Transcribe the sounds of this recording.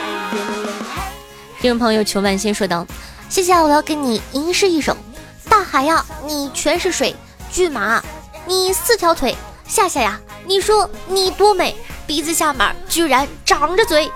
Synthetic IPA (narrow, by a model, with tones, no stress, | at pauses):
tʰi˧˥ʈ͡ʂʊ˧˩pʰɤ˧˥ŋjo˧˩ʊt͡ɕʰjo˧˥ʊma˥˩nɕi˥nʂwɔ˥t̪ɑ˥˩ʊ | ɕjɛ˥˩ɕ̬jɛ˧˩wɔ˨˩jɑ˥˩ʊke˧˥ɪni˨˩i˧˥ŋʂɻ̩˥˧i˥˩ʈ͡ʂo̰˨˩˦ŋ | t̪a˥˩xa˧˨˩ɪjʊni˨˩t͡ɕʰɥɛ˧˥nʂɻ̩˥˩ʂwe˨˩ɪ | t͡ɕy˥˩ma˧˥˧ni˨˩sɹ̩˥˩t̪ʰjɑ˧˥ʊt̪ʰwe˧˩˦ɪ | ɕja˥˧ɕja˥˩ja˧˩ni˨˩ʂwɔ˥ni˨˩t̪wɔ˥me˨˩˦ɪpi˧˥t͡sɹ̩˧ɕja˥˩mə̰˧˥˦t͡ɕy˥˩ɻa˧˥nʈ͡ʂɑ˨˩ŋʈ͡ʂə˧t͡swe˧˥ɪ